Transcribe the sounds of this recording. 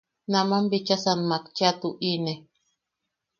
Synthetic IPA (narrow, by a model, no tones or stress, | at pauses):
namambit͡ʃasanmakt͡ʃat̪uʔine